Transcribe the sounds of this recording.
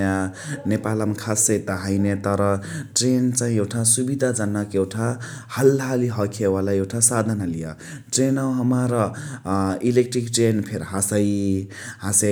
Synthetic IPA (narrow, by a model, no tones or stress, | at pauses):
janepalʌmkʰasʌjt̪ʌɦʌjnet̪ʌɾʌʈrent͡sãĩewʈʰasubid̪ʱad͡zʌnːakewʈʰa | hʌlɦaliɦʌkʰewalaewʈʰasad̪ʱanalijʌ | ʈrenʌwɦʌmaɾʌ | ilek̚ʈrikʈrenpʰeɾɦasʌj | hãs